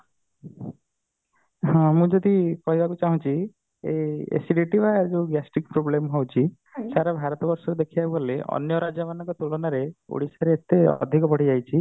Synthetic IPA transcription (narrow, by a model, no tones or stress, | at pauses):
ɔ̃mũd͡ʒɔd̪ikɔɦibʱakut͡ʃaɦũt͡ʃʰi | eḛsiɖiʈibad͡ʒeɡasʈik̚pɾoblemɦowt͡ʃʰi | saɾabʱaɾɔt̪ɔbɔɾsɔɾed̪ekʰijabubʱoleʔɔ̰njɔɾad͡ʒamanɔ̃ŋkɔt̪ulɔnaɾeo̰ɽisaɾeːt̪eɔ̰d̪ʱikɔpɔɽ̤id͡ʒajt͡ʃʰi